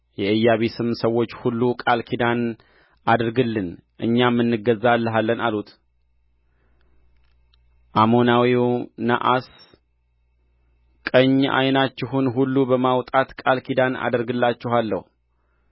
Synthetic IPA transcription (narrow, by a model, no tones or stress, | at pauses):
jɛʔɨjːaβesɨmsəwːo̞t͡ʃːhulːukʼalkʰid̪an | ad̪ɾɡɨlːɨn | ʔɨɲːamːɨnːɨɡəzːalːəɦalːənalut̪ʰ | ʔamo̞nawiwna̰ʔas | kʼəɲːʔa̰jnat͡ʃːɪɦunɦulːubəmawt̪ʼat̪kʼalkʰid̪ana̰d̪əɾɡɨlːat͡ʃːɪɦalːə̰hu